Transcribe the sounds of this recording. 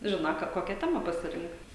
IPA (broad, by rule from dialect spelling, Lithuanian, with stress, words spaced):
ˈʒʲɪnoː ˈkɐ ˈkoːkʲɛ ˈtʲæːmɐ pɐsʲɪˈrʲɪŋkt